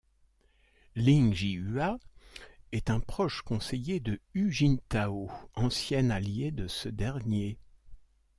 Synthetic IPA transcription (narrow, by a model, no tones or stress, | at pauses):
lĩŋʒiya | ɛt̪ɛ̃pχɔʃkɔ̃sejed̪əyʒint̪aoɑ̃sjɛnaljed̪əsəd̪ɛʁnje